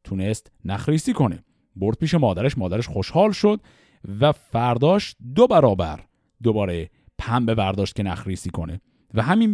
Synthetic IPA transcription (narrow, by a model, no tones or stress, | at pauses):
t̪ʰunest̪næxɾiːsiːkʰo̞nḛ | boɾd̪̥̚piːʃemɒːd̪æɾeʃmɒːd̪æɾeʃxo̞ʃhɒːlʃo̞d̪̥̚ | væfæɾd̪ɒːʃt̪̚d̪obæɾɒːbæ̰ɾ | d̪obɒːɾe | pʰæmbe̞væɾd̪ɒːʃt̪kʲce̞næxɾiːsiːkʰo̞nḛ | væɦæmin